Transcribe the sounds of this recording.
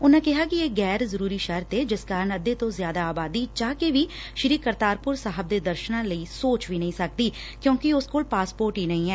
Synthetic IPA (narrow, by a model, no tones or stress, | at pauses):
ʊnãːkɪɦaːkɪeːɡɛːɾzəɾuːɾiːʃəɾt̪eːd͡ʒɪskaːɾənəd̪eːt̪õːzjaːd̪aːbaːd̪iːt͡ʃaːkeʋiː | ʃɾiːkəɾt̪aːɾpʊɾsaːɦəb̚d̪eːd̪əɾʃnãːləiːsoːt͡ʃʋiːnəĩːsək̚d̪iː | kjõːkɪʊskoːlpaːspoːɾʈɦiːnəĩːɛː